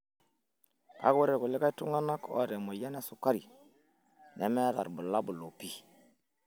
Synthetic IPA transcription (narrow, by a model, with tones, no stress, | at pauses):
ka̰˦ku˦ɾe˨ku˨le˦ka˦i˦tu˦ŋa˦na˦ko̰˦˨ɾe˨mo˨ja˦ne˦su˦˨kːa˦ɾi˨ | ne˨me˦ɾa̰˨ɾbu˨la˦bu˨lo˨pi˦